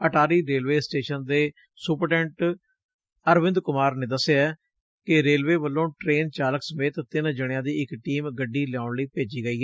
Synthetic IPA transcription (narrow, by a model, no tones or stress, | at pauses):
əʈʰaːɾiːɾeːlʋeːsʈeːʃənd̪eː | suːpəɾʈɛ̃ːɳʈ | əɾʋɪ̃nd̪kʊmaːɾneːd̪əsːeaɛː | kɪɾeːlʋeːʋəlːõːʈɾeːnt͡ʃaːləksəmeːt̪ːɪnd͡ʒəɽɪjãːd̪iːɪkʈiːmɡəɖːiːljaːʊɳliːpeːd͡ʒiːɡəiːɦɛː